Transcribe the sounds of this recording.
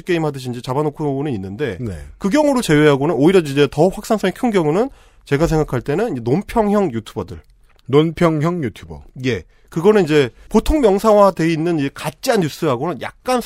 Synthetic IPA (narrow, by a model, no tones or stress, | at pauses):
ik͈e̞imɦadɯɕ̬ʰind͡ʑit͡ɕabanokʰonɯninːɯnde̞nekɯɡjʌŋuɾot͡ɕe̞we̞ɦaɡonɯnoiɾʌid͡ʑe̞tʌɸwak̚s͈aŋs͈ʰʌinkʰɯnɡjʌŋunɯn | t͡ɕe̞ɡasʰe̞ŋɡakʰaɭt͈e̞nɯnid͡ʑenompʰjʌŋɦjʌŋjutʰubʌdɯ̰ɭ | nonpʰjʌŋɦjʌŋjutʰjubʌje̞ | kɯɡʌnɯnid͡ʑe̞potʰoŋmjʌŋsʰawade̞inːɯnid͡ʑekat͡ɕ͈ianːus͈ɯɦaɡonɯnja̰k̚k͈an